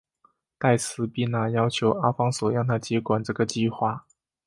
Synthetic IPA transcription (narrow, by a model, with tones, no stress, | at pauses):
t̪a˥˩ɪt͡sʰɹ̩˧˥pi˥˧na˥˩jɑ˥ʊt͡ɕʰjo˧˥ʊa˥fɑ˥ŋswɔ˨˩jɑ˥˩ŋt̪ʰa˥t͡ɕjɛ˧˥kwa˨˩nʈ͡ʂɤ˥˩ɡə˩t͡ɕi˥˧xwa˥˩